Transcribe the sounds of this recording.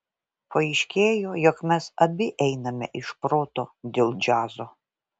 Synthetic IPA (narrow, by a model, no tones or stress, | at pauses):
pɐɪʃʲkʲeːjoːjokmʲɛsɐbʲɪʔɛɪnɐmʲɛ̰ʔɪʃpɾoːt̪oːd̪ʲeːlˠd͡ʒʲɑːzoː